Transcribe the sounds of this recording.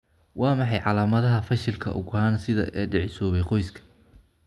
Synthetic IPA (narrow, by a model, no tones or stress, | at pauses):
wʔɑːmɑħɑjʕɑlaːmɐðɐɦɐfɐʃɪlkʰɐ̰ʔʊ̰ɣɔɦaːnsɪðɐ̰ʔɛːɖɪʕɪsɔːβɛjqɔjskʰɐ̥